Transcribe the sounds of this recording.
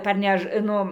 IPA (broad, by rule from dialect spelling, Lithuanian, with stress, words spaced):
pɐrʲˈnʲɛʃ ˈnʊ